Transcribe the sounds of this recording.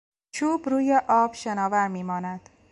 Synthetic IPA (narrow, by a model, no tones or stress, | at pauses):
t͡ʃʰuːbɾuːjeʔɒːb̥ʃenɒːvæɾmiːmɒːnæd̪̥